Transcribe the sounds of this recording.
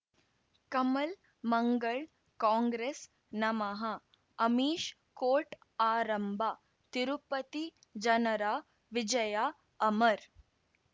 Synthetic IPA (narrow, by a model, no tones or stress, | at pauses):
kɐmɐl | mɐŋɡɐɭ | kaːŋɡɾeːs | nɐmɐɦɐ | ɐmiːʃ | koːʈ | aːɾɐmbʱa | t̪iɾupɐt̪i | d͡ʒɐnɐɾaː | ʋid͡ʒɐjaː | ɐmɐɾ